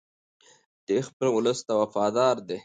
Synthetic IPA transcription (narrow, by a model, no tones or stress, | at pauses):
d̪̥expəlʊləst̪awafɑːd̪ɑːɾd̪e